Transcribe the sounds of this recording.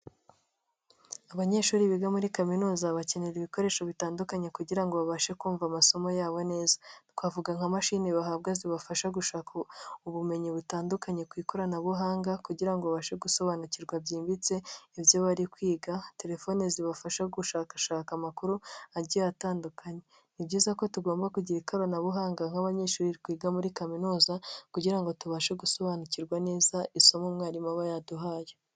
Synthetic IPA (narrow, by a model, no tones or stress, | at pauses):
aβaɲe̞ʃuːɾiβiɡamuɾikaminuːzaβace̞neɾiβiko̞ɾe̞ːʃo̞βitaːndukaɲe̞kuɟiɾaŋɡoβaβaʃe̞kuːɱvamaso̞mojaːβo̞ne̞ːzakwavuɡaŋhamaʃiniβaɦab̚ɡaziβafaʃaɡuʃaːkʰauβume̞ɲiβutaːndukaɲe̞kwiːkoɾanaβuɦaːŋɡakuɟiɾaŋɡo̞βaβaʃe̞ɡuso̞βaːnuciɾɡwabɟiːmbit͡se̞ivjoβaɾikwiːɡate̞ɾe̞fo̞neziβafaʃaɡuʃaːkaʃaːkamakuɾuaɾɟiataːndukʰaɲe̞ | nibɟiːzako̞tuɡo̞ːmbakuɟiɾikaɾonaβuɦaːŋɡaŋ̥aβaɲe̞ːʃuːɾiɾikwiːɡamuɾikaminuːzakuɟiɾaŋɡo̞tuβaːʃeɡuso̞βaːnuciɾɡwane̞ːzaʔiso̞momŋaːɾimaβajaduɦaːje